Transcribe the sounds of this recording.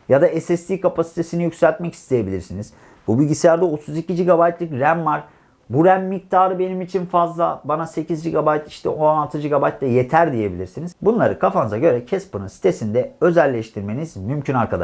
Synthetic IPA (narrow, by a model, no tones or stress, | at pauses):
jad̪aɛsɛst̪ʰiːkapʰasi̥t̪ʰe̞sinijycʲsælʲt̪mɛcʰi̥st̪ʰe̞je̞bilʲiɾsiniz̥ | bubilʲɟisejæɾd̪ɛo̞t̪ʰuzicid͡ʒiɡabajt̪lˠɯkɾæmvaɾ̥ | buɾæmːik̚t̪ʰaːɾɯbe̞nimit͡ʃʰinfazlˠabanase̞cʰizd͡ʒiɡabajt̪iʃt̪ʰɛ̰ʔonalˠt̪ʰɯd͡ʒiɡabajt̪lʲɛje̞t̪ʰæɾd̪ije̞bḭlʲiɾsinizbunlˠaɾɯkʰafanɯzaɟø̞ɾɛcʰɛspɯnɯnsi̥t̪ʰesind̪ɛø̞zælʲːɛʃt̪ʰiɾme̞nizmymcʰynaɾkʰad̪a̰ʃ